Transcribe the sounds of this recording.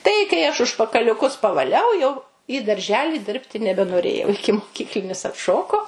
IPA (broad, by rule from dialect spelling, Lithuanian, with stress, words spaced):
ˈtɐɪ kɐɪ ɐʃ ʊʃpɐkɐlʲʊˈkʊs pɐʋɐˈlʲɛʊ jɛʊ iː dɐrʲˈʒʲæːlʲɪ ˈdʲɪrʲpʲtʲɪ nʲɛbʲɛnoːˈrʲeːjɛʊ ɪkʲɪmoːˈkʲiːklʲɪnʲɪs ɐtˈʃoːkoː